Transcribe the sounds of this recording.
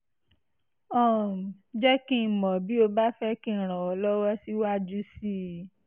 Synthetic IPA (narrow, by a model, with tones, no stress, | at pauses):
ɔ̃˦˨d͡ʒɛ˦kĩ˦˧˨mɔ̃˨bi˨˦o˧ba˦fɛ˦kĩ˦˨ɾ̃ã˨ɔ˧lɔ˦wɔ˦si˦wa˦d͡ʒu˦si˦˨